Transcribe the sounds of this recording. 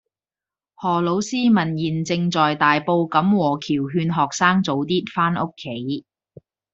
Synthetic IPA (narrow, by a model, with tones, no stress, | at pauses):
hɔː˨˩lo˨˥wsiː˥mɐ˨˩njiː˨˩nt͡sɪ˧ŋt͡sɔː˨jt̪aː˨jpo˧wkɐ˨˥mwɔː˨˩kʰiː˨˩wɦyː˧nɦɔː˨˩k̚saː˥ŋt͡so˨˥wt̪iː˥t̚faː˥nʊ˥kʰːe˨˥j